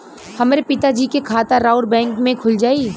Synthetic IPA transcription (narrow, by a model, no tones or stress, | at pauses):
hɐmɾepɪt̪ad͡ʒiːkekʰaːt̪aɾaːʊɾbɛ̃ːŋkmẽkʰʊld͡ʒaːiː